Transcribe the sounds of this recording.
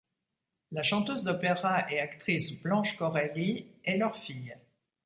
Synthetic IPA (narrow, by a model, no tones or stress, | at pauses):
laʃɑ̃t̪øzd̪ɔpeʁaʔeakt̪χisblɑ̃ʃkɔʁaliɛlœʁfij